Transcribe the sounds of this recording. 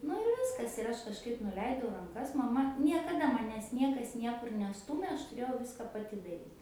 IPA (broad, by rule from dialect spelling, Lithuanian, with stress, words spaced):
nʊ ɪr ˈʋʲɪskɐs ɪr ˈɐʃ kɐʃˈkɐɪp nʊˈlʲɛɪdɐʊ rɐŋˈkɐs mɐˈmɐ nʲiɛkɐˈdɐ mɐˈnʲæːs ˈnʲiɛkɐs ˈnʲiɛkʊr nʲɛˈstuːmʲeː ˈɐʃ tʊˈrʲeːjɛʊ ˈʋʲɪskɐ pɐˈtʲɪ dɐˈrʲiːt